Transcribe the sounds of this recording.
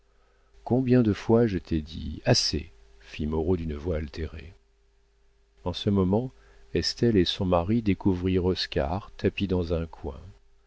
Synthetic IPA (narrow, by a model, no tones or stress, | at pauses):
kɔ̃bjɛ̃d̪əfwaʒət̪ʰɛd̪ḭasḛ | fimɔʁod̪ynəvwaːlt̪eʁḛ | ɑ̃səmɔmɑ̃ | ɛst̪ɛlesɔ̃maʁid̪ekuvʁiʁɔskʲa̰ʁt̪ʰapid̪ɑ̃zɛ̃kʰwɛ̰̃